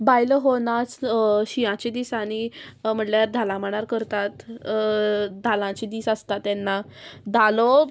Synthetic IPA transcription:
bajlɦonat͡sɕiãt͡ɕid̪iːsaɽ̃im̤əʈljaɾd̪ʱalãməɳ̃aɾkəɾt̪at̪ | d̪ʱalãt͡ɕid̪iːsast̪at̪ːɛnːad̪ʱalɔ

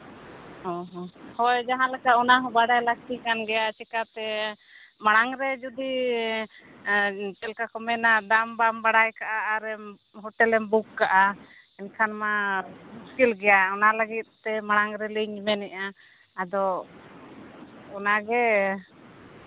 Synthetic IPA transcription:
ɔɦɔhɔjd͡ʒaɦãlakaɔnaɦɔbaɽajlakt̪ikanɡɛjat͡ʃɛkat̪ɛ | maɽ̃aŋɾɛd͡ʒud̪i | t͡ʃɛlkakɔmɛnad̪ambambaɽajkaʔaːɾɛm | ɦɔʈɛlɛmbukːaʔa | ɛnkʰanmamuskilɡɛjaɔnaləɡit̪̚t̪ɛmaɽ̃aŋɾɛliɲmɛnɛʔaː | d̪ɔ | ɔnaɡɛ

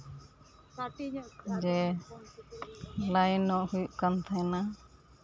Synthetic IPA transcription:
d͡ʒɛ | lajnɔʔhujuʔkant̪ʰajna

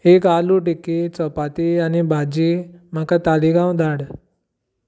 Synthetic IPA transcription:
ekaluʈikːet͡sɔpat̪ianibʱad͡ʑem̤akat̪aliɡãwd̪ʱaɽ

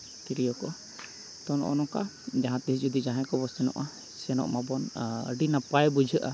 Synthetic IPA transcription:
kiɾijɔkɔ | t̪ɔnɔ̰ʔɔ̰nɔŋka | d͡ʒaɦãt̪ɛɦid͡ʒɔd̪id͡ʒaɦɛ̃kɔbɔsɛnɔ̰ʔa | sɛnɔ̰ʔmabɔnə̰ɖinapajbud͡ʒʱəʔa

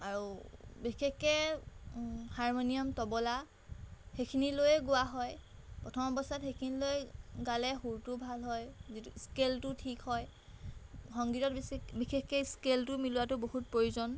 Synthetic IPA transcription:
aɹubixʰekːɛ | haɹmonijɔmtɔbɔla | xekʰinilojɛɡʊwaɦɔjpɹɔtʰɔmɔbɔstatxejkʰinilojɡalɛxuɹtʊbʱalɦɔjzitskeltʊtʰikhɔj | xɔŋɡitɔtbixʰekːɛskeltʊmilʊwatʊboɦut̚pɹojuzɔn

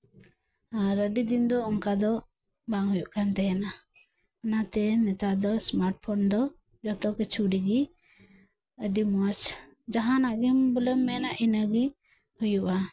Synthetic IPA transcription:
aɾəɖid̪ind̪ɔɔŋkad̪ɔ | baŋɦujuʔkant̪ɛjana | ɔnat̪ɛnɛt̪ad̪ɔsmaɾʈ̚pʰɔnd̪ɔ | d͡ʒat̪ɔkɛt͡ʃʰuɖiɡi | əɖimat͡ʃ | d͡ʒaɦanaɡimbələmːɛnaʔinaɡi | hujuʔa

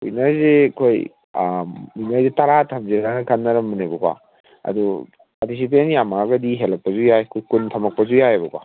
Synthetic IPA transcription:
ujnɐzekʰoj | ujnɐzetaɾatʰamziɾankʰanːɐɾɐmːɯnebɐkwa̰ | ɐ̰du | paɾtis̬ip̬entjamaɡɐdiɦelɐk̚pɐzujajkʰujkuntʰɐmɐk̚pɐzujajabɐkwa̰

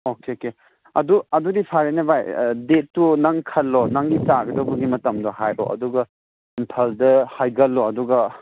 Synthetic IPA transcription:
okeke | ɐduɐdudipʰaɾenɐbajdetːunɐŋkʰɐlːonɐŋɡitaɡɐdɐwbɐɡimɐtɐmdɐhajʔo̰ʔɐ̰duɡɐ | impʰaldɐhajɡɐlːɔɐduɡɐ

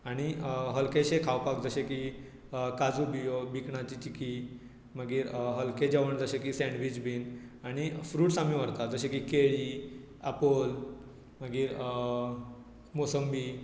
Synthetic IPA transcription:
aɽ̃iɦəlkeɕekʰawpak̚d͡zəɕeki | kad͡zubijobikɳat͡ɕit͡ɕiki | məɡiːɾɦəlked͡ʑaʋəɳd͡zəɕekisɛ̃ɳɖʋit͡ɕbiːnaɽ̃ifɾuːʈsamiʋəɾt̪ad͡zəɕekikeɭi | apol | məɡiːɾ | mosəmbi

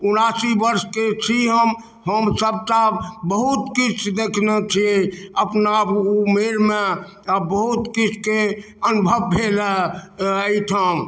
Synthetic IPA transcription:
ʊnasibəɾsket͡ʃʰiɦəm | ɦəmsəb̚t̪abəɦut̪kit͡ʃʰd̪ekʰnet͡ʃʰieəpnameɾme | bəɦut̪kit͡ʃʰke | ənbʱəbːʱelə | əit̪ʰəm

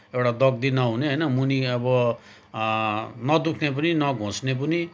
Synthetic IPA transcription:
ewʈad̪ʌɡ̚d̪inʌɦuneɦʌjnʌmuniʌbʌ | nʌd̪ukʰnepʌninʌɡʱõsnep̬ʌni

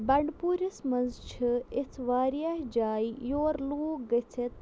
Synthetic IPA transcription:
bɐɳɖpuːɾʲɐsmɐnzt͡ʃʰɨɪt͡sʰʋaːɾjaːɦd͡ʒaːijoːɾluːɡɐt͡sʰɐt̪

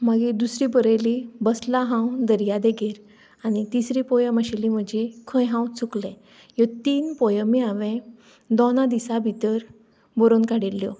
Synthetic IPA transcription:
maɡid̪usɾibəɾəlibəslaɦãwd̪əɾjad̪eɡeɾ | anit̪isɾipɔjəməɕelim̤əd͡ʑikʰə̃jɦãwt͡suklẽ | jɔt̪iːnpɔjəmiaʋẽ | d̪ɔnãd̪isabʱit̪əɾ | bɔɾonkaɽilːjɔ

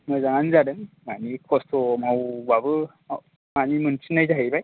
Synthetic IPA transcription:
mɯzaŋanzadɯŋmanikʰɔstʰɔmawbabɯ | a | manimɯnsʰnajzaɦɯjbaj

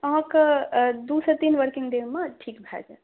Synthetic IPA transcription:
əɦãk | d̪uset̪inʋəɾkiŋɡɖemaʈʰikbʱɛ̰d͡ʒa

